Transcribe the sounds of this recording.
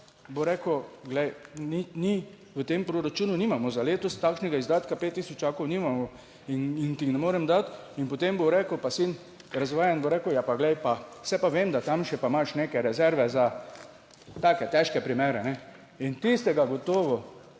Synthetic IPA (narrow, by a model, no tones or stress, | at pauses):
boɾɛːkɔɡlɛjnini | ʋət̪eːmpɾoɾat͡ʃuːnuniːmamɔzaleːt̪ɔst̪akʃnɛɡaizd̪aːt̪kapeːt̪ːiːsɔt͡ʃaːkownimamɔ | inint̪ixnɛmoːɾɛmd̪at̪ | inpot̪emboɾɛːkəwpasin | ɾazʋaːjanboɾɛːkəwjapaɡlɛjpasɛpaʋeːmd̪at̪amʃɛpamaʃneːkɛɾɛzɛɾʋɛza | t̪aːkɛt̪ɛʃkɛpɾimeːɾɛnɛ | int̪ist̪ɛɡaɡot̪oːʋɔ